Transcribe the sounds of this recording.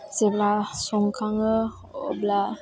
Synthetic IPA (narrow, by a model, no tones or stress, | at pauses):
seblasuŋkaŋə | o̰bla